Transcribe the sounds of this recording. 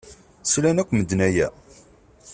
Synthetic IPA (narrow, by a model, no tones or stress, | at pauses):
slænækʷːməd̪næjæ̰